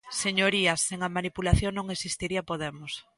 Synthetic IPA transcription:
seɲoɾiɐseŋamanipulaθjoŋnõŋesist̪iɾiɐpoðemos

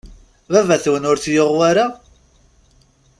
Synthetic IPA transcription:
vævæθwənʊɾθjoʁwaɾa

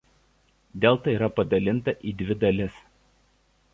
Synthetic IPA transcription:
d̪ʲeːlˠt̪ɐiːɾɐpɐd̪ɐlʲɪnt̪ɐʔiːd̪ʲʋʲɪd̪ɐlʲɪs

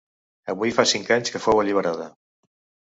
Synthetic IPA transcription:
əβujfasiŋkaɲskəfowəʎiβ̞əɾaðə

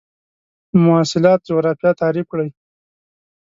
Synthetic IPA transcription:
mʊɑsɪlɑt̪̚d͡ʒoɣɾɑfjɑt̪ɑɾifkɽəj

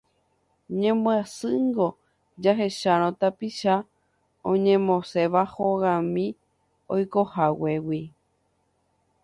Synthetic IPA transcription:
ɲẽmoasɨŋɡo | d͡ʒaɦe̞ʃaɾ̃õt̪apiʃa | õɲẽmõse̞ʋahoɣãmĩ | ojkohawewi

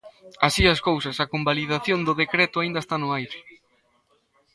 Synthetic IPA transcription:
asiɐskowsɐsɐkombaliðaθjond̪ʊðekɾɛt̪ʊaind̪ɐest̪anʊajɾɪ

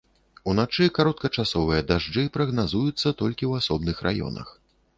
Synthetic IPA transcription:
unat͡ʂɨkaɾɔt̪̚kɐt͡ʂasɔvɨjɐd̪aʐd͡ʐɨpɾɐɣnazujut̪sːɐt̪ɔlʲkʲiwasɔbnɨxrʔa̰jɔ̰nɐ̰x

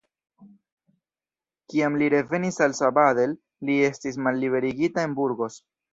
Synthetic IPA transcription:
kiamliɾe̞ve̞nisalsabade̞lː | ie̞stis̬malːiβe̞ɾiɡitae̞nbuɾɡo̞s

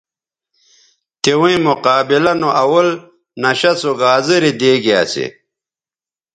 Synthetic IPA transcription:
t̪ewĩmuqaːbilɐnoʔɐwɐl | nɐɕɐt͡suɡaːzɨɾid̪eːɡia̰ːsḛ

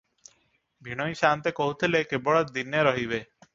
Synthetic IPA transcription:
bʱiɽ̃ɔjʃant̪ekoɦut̪ʰilekebɔɭɔd̪ineɾɔɦibe

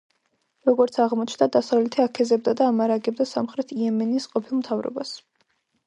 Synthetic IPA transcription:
ɾɔɡɔɾt̪sʰaʁmɔt͡ʃʰnd̪ad̪asavlɛt̪ʰiakʰɛzɛb̚d̪ad̪aːmaɾaɡɛb̚d̪asamχɾɛt̪ʰiɛmɛnisqʼɔpʰilˠmt̪ʰavɾɔ̰bas

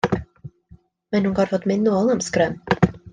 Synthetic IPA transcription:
mɛnhunkɑːɾfɔt̪ːmɪnːuɔlɔmskɾœm

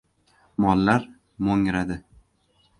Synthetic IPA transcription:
mɒlˠːaɾ | moŋɾad̪ɪ

